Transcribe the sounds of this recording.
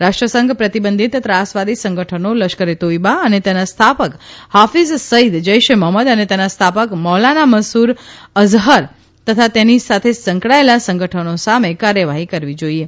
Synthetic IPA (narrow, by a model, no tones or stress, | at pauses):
ɾaʃʈɾəsə̃ŋɡʱpɾət̪ibənd̪ʱit̪ət̪ɾasʋad̪isə̃ŋɡəʈʰənoləʃkəɾet̪oibaənet̪enast̪ʰapəkhafissəid̪d͡ʒəjʃeməɦməd̪ənet̪enast̪ʰapəkmɔɦlanaməsuɾəzɦəɾ | t̪ət̪ʰat̪enisat̪ʰesə̃ŋkɭaelasə̃ŋɡʱəʈʰənosamekaɾjəʋaɦikəɾʋid͡ʒoie